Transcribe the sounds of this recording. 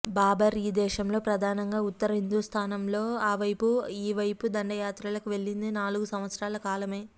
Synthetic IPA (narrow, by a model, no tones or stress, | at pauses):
baːbɐɾiːd̪ɛːʃɐmlo̞ːpɾɐd̪ʱaːnɐŋɡaːut̪ːɐɾɐɦind̪ust̪ʰaːnɐmlo̞ːaːʋɐjpuiːʋɐjpud̪ɐɳɖɐjaːt̪ɾalɐkuʋe̞ɭːind̪inaːluɡusɐm̃ʋɐt̪sɾaːlɐkaːlɐme̞ː